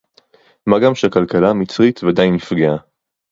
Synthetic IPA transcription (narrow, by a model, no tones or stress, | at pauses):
maɡamʃeakalkalamit͡sʁit̪vead̪ajnifɡea